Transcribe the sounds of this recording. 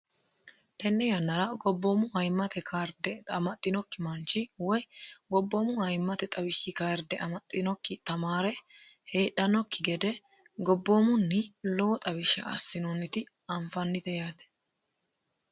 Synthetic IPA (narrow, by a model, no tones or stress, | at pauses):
t̪ɛnːɛjɐnːɐɾɐɡɔbːomʊhɐjmːɐt̪ɛkʰaːɾd̪ɛɐmɐt̪ʼːɪnɔkːɪmɐnt͡ʃːɪwɔjɡɔbːoːmʊhɐjmːɐt̪ɛt̪ʼɐbɪʃɪkaːɾd̪ɛʔɐmɐt̪ʼːɪnɔkːɪt̪ɐmaːɾɛ | he̞ːɗɐnɔkːɪɡɛd̪ɛ | ɡɔbːoːmʊnːɪloːt̪ʼɐβɪʃɐ̰ɐ̰sːɪnɔnːɪt̪ɪ | ɐɱfɐnːɪt̪ɛjaːt̪ɛ̥